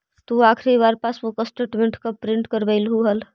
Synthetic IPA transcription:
t̪uakʰɾibaɾpasmokəsʈeʈmẽɳʈkəpɾɪ̃ɳʈkəɾbəɪlɦuɦəl

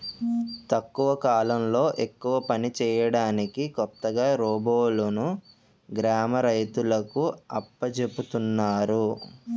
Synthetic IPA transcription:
t̪ɐkːuʋɐkaːlɐmlo̞ːʔe̞kːuʋɐpɐnit͡ʃɛːjɐɽaːnikikɔt̪ːɐɡaːɾɔːboːlɐnu | ɡɾaːmɐɾɐjt̪ulɐkuɐpːɐt͡ʃe̞put̪unːaːɾu

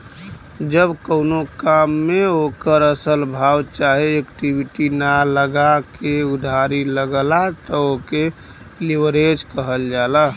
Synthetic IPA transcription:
d͡ʒəbkəʊnokamːeokəɾəsəlbʱawt͡ʃaɦeekʈibiʈinaləɡakeud̪ʱaɾiləɡlat̪ɔoke | liʋəɾed͡ʒkəɦəld͡ʒala

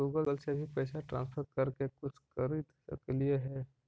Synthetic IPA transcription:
uːɡələlsebʱipɛːsaʈɾã̰ːnspʰəɾkɐɾkekʊt͡ʃʰkəɾɪt̪ | ə̰klieɦɛː

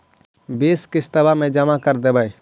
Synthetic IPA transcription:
beːskɪst̪əbamẽd͡ʒəmakəɾd̪ebai

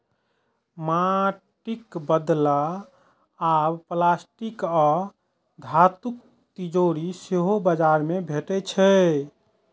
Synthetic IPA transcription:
maʈikbəd̪laː | bplasʈikɔ | d̪ʱat̪uk̚ | t̪id͡ʒoɾiseɦobəd͡ʒaɾmebʱeʈɛt͡ʃʰɛ

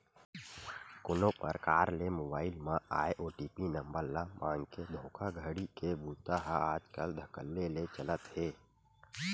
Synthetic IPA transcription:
kʊnopə̰ɾkaːɾlemoːbaːɪlmãʔaːjʔoːʈiːpinə̃mbəɾlamãːŋked̪ʱõːkʰaɡʱəɽikebuːt̪aɦaaːd͡ʒkəld̪ʱəkəlːelet͡ʃələt̪heː

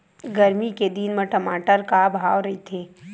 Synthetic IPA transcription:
ɡɐɾmiked̪iːnmɐ̃ʈɐmaːʈəɾkabʱaːwɾɐɦit̪ʰeː

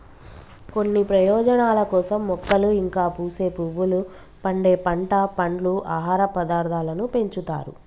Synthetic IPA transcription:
konːipɾɐjɔːd͡ʒɐnaːlɐkɔːsɐmːɔkːɐluiŋkaːpuːse̞ːpuʋulu | pɐɳɖe̞ːpɐɳʈɐpɐɳɖluʔaːɦaːɾɐpɐd̪aːɾd̪ʰʱaːlɐnupe̞ɲt͡ʃut̪a̰ːɾṵ

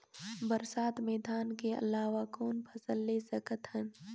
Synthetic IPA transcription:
bəɾsaːt̪meːd̪aːnkeɐ̰laːʋakoːnpʰəsəlːesəkət̪ɦən

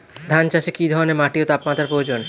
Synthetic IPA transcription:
d̪ʱant͡ɕaʃekid̪ʱɔɾonemaʈiot̪apmat̪ːɾaɾpɾood͡ʑon

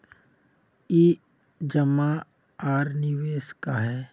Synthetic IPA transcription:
iː | d͡ʒəma | aːɾnɪʋeːskaɦɛː

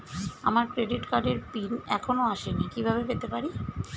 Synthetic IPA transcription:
amaɾkɾeɖiʈkaɖeɾpinɛkʰonoaʃenikibʱaβebet̪epaɾi

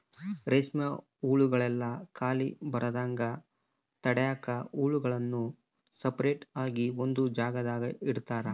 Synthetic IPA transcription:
ɾeːsmjɐ | uːɭuɡɐɭɛlːɐkaːlḭbɐɾʔɐd̪aːŋɡɐ | t̪ɐɽɛjaːkɐuːɭuɡɐɭɐnːu | sɐpɐɾeːʈaːɡiond̪ud͡ʒaːɡɐd̪aːɡɐiɽt̪aːɾɐ

